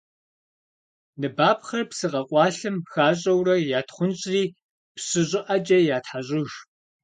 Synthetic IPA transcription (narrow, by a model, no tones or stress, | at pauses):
nɨbaːp̚χɐrpsɨqɐqʷʼɑːɬɨmxaːɕ̬ʼɐwrɐjaːtχʷʊnɕʼriː | pɕɪɕʼɪʔɐd͡ʒʼɐjaːtħaɕʼɪʒ